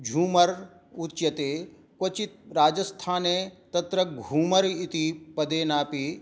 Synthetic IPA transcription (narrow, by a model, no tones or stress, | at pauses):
d͡ʒʱuːmɐɾ | ut̪t͡ʃɐt̪eː | kot͡ʃit̪̚ɾaːd͡ʒɐst̪ʰaːneːt̪ɐt̪ɾɐɡʱuːmɐɾit̪ipɐd̪eːnaːpi